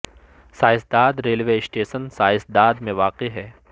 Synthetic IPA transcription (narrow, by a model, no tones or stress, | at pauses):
saːɪsd̪aːd̪ɾeːlʋesʈeːʃənsaːɪsd̪aːd̪mẽʋaːqeɦɛː